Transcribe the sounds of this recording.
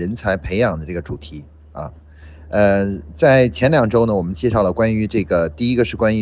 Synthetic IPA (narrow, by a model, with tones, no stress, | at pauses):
ə˧˥nt͡sʰa˧˥ɪpʰe˧˥ɪjɑ˨˩ŋd̪ə˦ʈ͡ʂɤ˥˩ɡə˩ʈ͡ʂu˨˩t̪ʰi˧˥ | ɐ̰˥˧ | ə˧t͡sa˥˩ɪt͡ɕʰjɛ˧˥nljɑ˨˩ŋʈ͡ʂo˥ʊnə˨wɔ˨˩mə˦nt͡ɕjɛ˥˧ʂɑ˥˩ʊlə˩kwa˥ny˧˥ʈ͡ʂɤ˥˩ɡə˩t̪i˥˩i˥ɡə˧ʂɻ̩˥˩kwa˥ny˧˥